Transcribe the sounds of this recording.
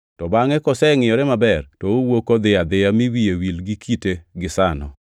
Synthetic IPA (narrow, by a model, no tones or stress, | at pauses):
tɔbaŋɛkɔsɛŋɪjɔɾɛmabɛrtɔowokod̪ɪad̪ɪamiwiewilɡikʰiteɡɪsanɔ̰